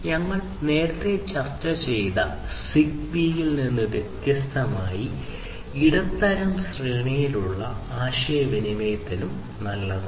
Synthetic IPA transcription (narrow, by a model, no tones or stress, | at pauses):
ɲɐŋːɐɭ | ne̞ːɾɐt̪ːe̞t͡ɕɐrt͡ɕːɐt͡ɕe̞jt̪ɐ̰ | siɡ̚nijilninːuʋjet̪jɐst̪ʰɐmaːji | iɽɐt̪ːɐɾɐmɕriːɳijiluɭːɐaːɕɐjɐʋinimejɐt̪ːinum | nɐlːɐðɨ